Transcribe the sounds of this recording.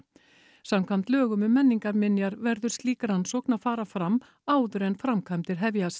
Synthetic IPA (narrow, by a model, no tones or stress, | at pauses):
samkʰam̥t̪lœːɣʏmʏmːɛnːiŋkaɾmɪnjaɾvɛɾðʏɾ̥st̪liːkaɾ̥hanːsɔːknafaːɾafɾam | aːwðʏɾɛnfɾamkʰajmt̪ɪɾɦɛvjas